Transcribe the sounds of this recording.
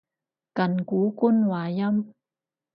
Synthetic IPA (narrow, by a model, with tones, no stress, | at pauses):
kɐ˨nkuː˨˥ku˥nwaː˨˧jɐ˥m